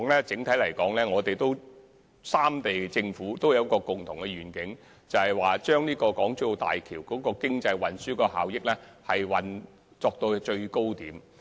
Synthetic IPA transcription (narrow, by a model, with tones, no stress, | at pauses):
ŋlɛː˥t͡sɪ˨˥ŋt̪ʰɐ˨˥jlɐ˨˩jkɔː˨˥ŋlɛː˥ŋɔː˨˧t̪e˨jt̪o˥w | saː˥mt̪e˨jt͡sɪ˧ŋfuː˨˥t̪o˥wjɐ˨˧wkɔː˧kʊ˨˩ŋt̪ʰʊ˨˩ŋkɛ˧ɥyː˨˩nkɪ˨˥ŋ | t͡sɐ˨˩hɐ˨˩jwaː˨t͡ʃœː˥ŋniː˥kɔː˧kɔː˨˥ŋt͡so˥˧˥wt̪a̰ː˨jkʰiː˨˩wkɔː˨˥kɔː˧kɪ˥ŋt͡sɐ˧jwɐ˨nsyː˥kɔː˧ha̰ː˨wjɪ˥k̚lɛː˥hɐ˨jwɐ˨n | t͡sɔː˧k̚t̪o˧wt͡ʃɵ˧ɥko˥wt̪iː˨˥m